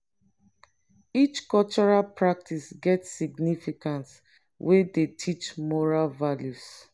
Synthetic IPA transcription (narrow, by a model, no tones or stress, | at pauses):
it͡ʃkɔlt͡ʃɔɹalpʰɹak̚tʰisɡɛtsiɡnifikãnt | wʔedetʰit͡ʃmɔɹalvaljus